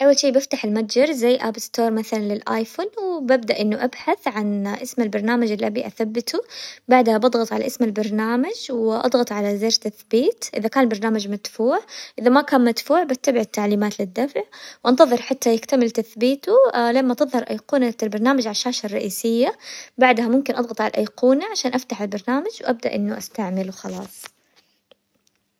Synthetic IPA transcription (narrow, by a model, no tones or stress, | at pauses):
ʔawːalʃiːbɪft̪aħɪlmad̪d͡ʒɪɾˤzajːʔabst̪oːɾˤmaθalanlɪlʔaːjfonwɪbab̚d̪aʔɪnːuʔabħaθʕanʔɪsmɪlbɑɾˤnaːmad͡ʒɪlʔabiʔaθabːɪt̪ubaʕd̪habɑd̪ˤɣɑt̪ˤʕala̰ʔɪsmalbɑɾˤnaːmad͡ʒwʔɑ̰d̪ˤɣɑt̪ˤʕalazeːɾt̪aθbiːt̪ʔɪ̰ðakaːnɪlbɑɾˤnaːmad͡ʒmat̪fuːʕʔɪðamakaːnmad̪fuːʕbat̪ːabɪʕɪt̪ːaʕliːmaːt̪lɪd̪ːafʕwʔɑnt̪ɑðˤɨɾħat̪ːajɪkt̪amɪlt̪aθbiːt̪ulamːat̪ɨðˤhɑɾˤʔajquːnalbɑɾˤnaːmad͡ʒʕalʃːaːʃarˤːɑʔiːsɪjːabaʕd̪hamʊmkɪnʔɑd̪ˤɣɑt̪ˤʕala̰ʔajquːnaʕaʃaːnʔaft̪aħalbɑɾˤnaːmad͡ʒwʔab̚d̪a̰ʔɪnːuʔast̪aʕmɪlwxɑlɑːsˤ